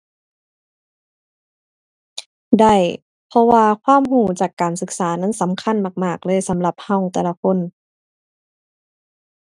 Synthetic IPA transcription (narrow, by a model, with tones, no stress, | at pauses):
da˧˩j | pʰɔ˧waː˧kʰwaː˧˥˨mɦuː˧˩t͡ɕaː˨˩kːaː˨˩nsɯ˧˩k̚saː˨˦na˧˥˨nsa˨˦mkʰa˧˥˨nma˧˩k̚maː˧˥˩k̚lɤː˧˥˨jsa˨˦mla˧˩p̚ha˧˩˨wt̪ɛː˨˧la˧kʰo˧˥˨n